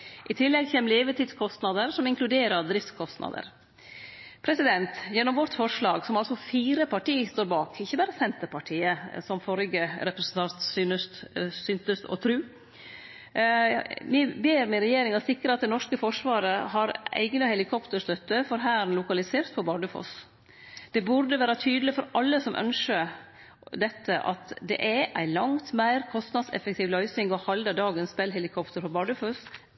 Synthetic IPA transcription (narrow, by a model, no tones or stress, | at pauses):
ʔɪt̪ʰɪlːɛɡçɛːməleːʋət̪iːd̪skʰɔst̪nɑd̪əɾsɔmɪŋklʉd̪eːɾəɾd̪ɾɪft̪skʰɔst̪nɑ̰d̪ə̰ɾ | pʰɾɛsɪd̪ɛnt̪jɛnːɔmʋɔt̪fɔʂɭɑːɡsɔmɑlsɔfiːɾəpʰɑʈiːst̪oːɾbɑːkɪçːəbæːɾəsɛnt̪əɾpʰɑʈʰiːəsɔmfɔɾɡəɾɛpɾəɛsnt̪ʰɑnt̪synəst̪sʏnt̪əst̪ɔ̰t̪ʰɾʉː | ʋɪbeːɾmɛɾɛjeːɾɪŋɑt̪sɪkːɾəɑt̪̚d̪ɛnɔʂkəfɔʂʋɑːɾəɦɑɾæ̰ɪɡnɑhɛlɪkʰɔpt̪əɾst̪œt̪ːəfɔɾɦæːnlʊkɑlɪseːɾt̪̚pʰɔbɑːɖ̪ʉfo̰s | d̪̥ɛbʊɾɖ̪əʋæːɾət̪ʰyːd̪əlɪfɔɾʔɑlːəsɔmʔœ̰nʂə | d̪ɛt̪ːəʔɑ̰t̪d̪ɛ̰ʔɛʔæɪlɑŋt̪mæɪɾkʰɔst̪nɑd̪sɛ̰fək̚t̪ʰiːʋlœʏsnɪŋɡɔhɑld̪ɑd̪ɑːɡənsbɛlɦɛlɪkʰɔpt̪əɾfɔbɑːɖʉfɔs